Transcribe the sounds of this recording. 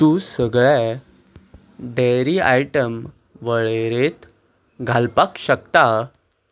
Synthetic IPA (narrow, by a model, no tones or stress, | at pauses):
t̪ũsəɡɭe | ɖeɾiajʈəm | ʋəɭeɾet̪ | ɡʱalpakɕək̚t̪a